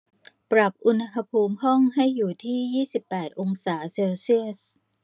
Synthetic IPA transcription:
pɾa˨˩p̚ʔu˧nha˧ɦa˧pʰuː˧mɦɔ˥˩ŋɦa˥˩jːuː˨˩t̪ʰiː˥˩jiː˥˩si˨˩pːɛː˨˩t̪̚ʔo˧ŋsaː˩˦seː˧wsi˥˩əs

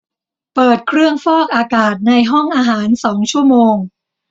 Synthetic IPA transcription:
pɤː˨˩t̪̚kʰɾɯ˥˩əŋfɔː˥˩k̚ʔaː˧kaː˨˩t̪̚na˧jɦɔ˥˩ŋʔaː˧ɦaː˩˦nsɔː˩˦ŋt͡ɕʰu˥˩əmoː˧ŋ

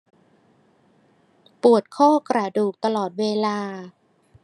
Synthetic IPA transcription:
pu˨˩ət̪̚kʰɔː˥˩kɾa˧˩duː˨˩k̚t̪a˧lɔː˨˩t̪̚weː˧laː˧

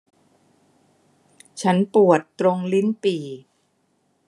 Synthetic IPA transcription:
t͡ɕʰa˦˥npu˨˩ət̪ːɾo˧ŋli˦˥npiː˨˩

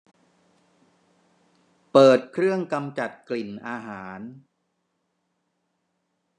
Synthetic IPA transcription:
pɤː˨˩t̪̚kʰɾɯ˥˩əŋka˧mt͡ɕa˨˩t̪̚kli˨˩nʔaː˧ɦaː˩˦n

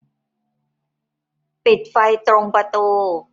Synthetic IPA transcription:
pi˨˩t̪̚fa˧jt̪ɾo˧ŋpɾa˧t̪uː˧

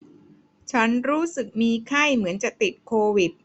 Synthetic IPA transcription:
t͡ɕʰa˦˥nɾuː˦˥sɯ˨˩k̚miː˧kʰa˥˩jmɯ˩˦ənt͡ɕa˨˩ʔt̪i˨˩t̪̚kʰoː˧wi˨˩t̪̚

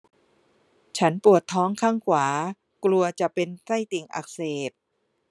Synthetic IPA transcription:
t͡ɕʰa˦˥npu˨˩ət̪ʰːɔː˦˥ŋkʰaː˥˩ŋkʰwaː˩˦ | klu˧ɐt͡ɕa˨˩pe˧nsa˥˩jt̪i˨˩ŋʔa̰˨˩k̚seː˨˩t̪̚

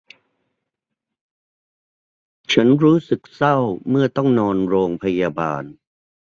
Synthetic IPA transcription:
t͡ɕʰa˦˥nɾuː˦˥sɯ˨˩k̚sa˥˩wmɯ˥˩ɐt̪ɔ˥˩ŋnɔː˧nɾoː˧ŋpʰa˧ja˧ba̰ː˧n

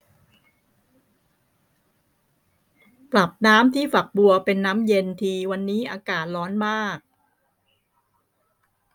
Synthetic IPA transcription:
pla˨˩p̚naː˦˥mt̪ʰiː˥˩fa˨˩k̚bu˧ɐpe˧nːaː˦˥mje˧nt̪ʰiː˧wa˧nːiː˦˥ʔaː˧kaː˨˩t̪̚lɔː˦˥nmaː˥˩k̚

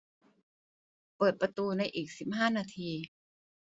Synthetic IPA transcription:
pɤː˨˩t̪̚pɾa˧t̪uː˧na˧jʔiː˨˩k̚si˨˩p̚haː˥˩naː˧t̪ʰiː˧

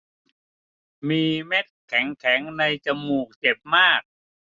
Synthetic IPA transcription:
miː˧me˦˥t̪̚kʰɛ˩˦ŋkʰɛ˩˦ŋna˧jt͡ɕa˧muː˨˩k̚t͡ɕe˨˩p̚maː˥˩k̚

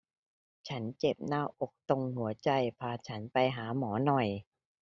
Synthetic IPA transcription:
t͡ɕʰa˦˥nt͡ɕe˨˩p̚naː˧˥˩wʔo˨˩k̚t̪o˧ŋhu˩˦ɐt͡ɕa˧jpʰaː˧t͡ɕʰa˦˥npa˧jɦaː˩˦mɔː˩˦nɔ˨˩j

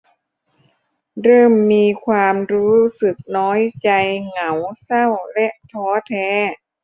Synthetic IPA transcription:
ɾɤː˥˩mːiː˧kʰwaː˧mɾuː˦˥sɯ˨˩k̚nɔː˦˥jt͡ɕa˧jŋa˩˦wsa˥˩wlɛ˦˥ʔt̪ʰɔː˦˥t̪ʰɛː˦˥

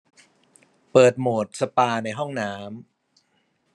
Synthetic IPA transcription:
pɤː˨˩t̪̚moː˨˩t̪̚sa˧paː˧na˧jɦɔ˥˩ŋnaː˦˥m

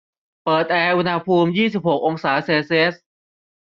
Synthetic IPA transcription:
pɤː˨˩t̪̚ʔɛː˧ʔu˧nha˧pʰuː˧mjiː˥˩si˨˩p̚ho˨˩k̚ʔo˧ŋsaː˩˦seː˧si˧ʔe˦˥t̚

